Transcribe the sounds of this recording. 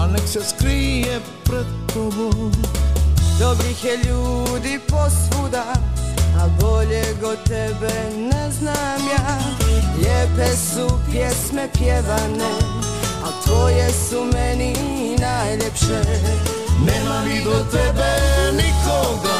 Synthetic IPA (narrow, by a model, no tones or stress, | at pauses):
anɛksɛskɾijɛ | pɾɛd̪t̪obo | d̪obɾixjɛʎuːd̪iposʋud̪a | aboʎeɡot̪ɛbɛ | nɛznamjaːʎɛpesupjɛsmɛpjɛʋane | at̪ʋojɛsumɛni | najʎepʃe | nɛmamid̪ot̪ɛbɛnikoɡa